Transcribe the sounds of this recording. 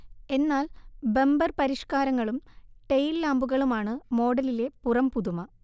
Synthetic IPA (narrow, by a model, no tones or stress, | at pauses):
e̞nːaːlbe̞mbɐrpɐɾiʂkaːɾɐŋːɐɭumʈe̞jlːaːmbuɣɐɭumaːɳɨmo̞ːɽɐlile̞purɐmpuðumɐ